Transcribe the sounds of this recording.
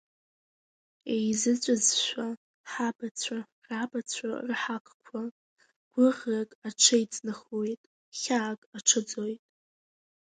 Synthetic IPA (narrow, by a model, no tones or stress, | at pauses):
ejzɨt͡sʷʼɨzʃʷᶣa | ħabat͡sʷʰa | rabʼat͡sʷʰa̰rħakʷʰkʷʰa | ɡ̥ʷʊʁrakʼaʈ͡ʂʰejt͡sʼnɨχojtʼ | χʲaːkʼaʈ͡ʂʰɨd͡zojtʼ